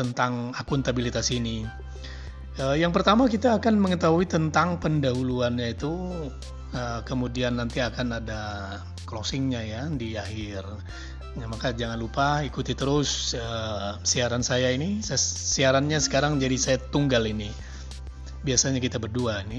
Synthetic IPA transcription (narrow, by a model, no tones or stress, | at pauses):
t̪ənt̪aŋakunt̪abilit̪asiːni | əjaŋp̬ərt̪amakit̪aːkanməŋət̪aɦuit̪ənt̪aŋpəndaɦuluanɲait̪u | əkəmudianːant̪iakanada | klosɪŋɲajadiaɦɪr | amakad͡ʒaŋanlupaikut̪it̪əɾʊsəsiaɾansajainissiaɾanɲasə̥kaɾaŋd͡ʒadisajat̪uŋɡalini | biasaɲakit̪abərduaini